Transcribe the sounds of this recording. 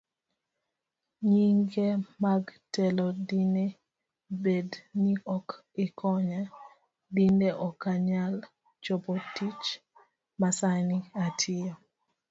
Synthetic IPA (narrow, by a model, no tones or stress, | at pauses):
ɲiŋɡemaɡtɛlɔdine | bedniɔk | ɪkʰɔɲa | dineʔɔkːaɲal | t͡ʃɔpɔtit͡ʃ | masaniatʰɪɔ